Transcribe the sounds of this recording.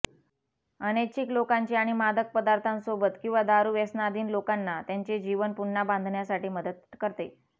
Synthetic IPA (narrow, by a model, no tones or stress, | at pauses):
ənet͡ɕiklokaɲt͡ɕeaɽ̃imad̪ʱək̚pəd̪aɾt̪ʰãnsobət̪kĩw̃ʋad̪aɾuːʋesnad̪ʱiːnlokanːat̪jaɲt͡ɕed͡ʑiʋənpuɳːabãnd̪ʱɳjasaʈiːməd̪ət̪̚kəɾt̪e